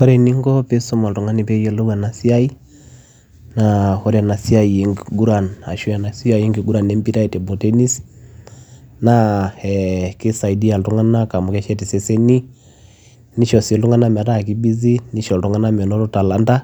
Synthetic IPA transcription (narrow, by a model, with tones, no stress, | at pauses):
kɔ˦ɾɛ˨ni˦ŋɡɔ˦pe˦so˦ma˨ltu˨ŋa˦ni˨pɛ˦jɛ˦lo˦ɡa˨na˨si˦a˦i˦ | na˨hɔ˦ɾɛ˨na˨si˦a˦i˨e˨ŋɡɡu˦ɾa˨na̰˨ʃwɛ˨na˨si˦a˨je˦ŋɡi˨ɡu˦ɾa˨ne˦mbi˦ɾa˦i˨tɛ˨bɔ˨te˦ni˦s | na˦ɛ˨ke˦sa˨i˨di˦a˨ltu˦ŋa˦na˦ka˨mu˨kɛ˦ʃɛ˦ti˨sɛ˦se˦ni˦ | ni˦ʃɔ˨se˨ltu˦ŋa˦na˦m˨ɾa˦˨k̬i˦bi˦zi˦ni˦ʃɔ˨ltu˦ŋa˦na˦mɛ˨nɔ˦ɾo˦ta˨la˦nda˦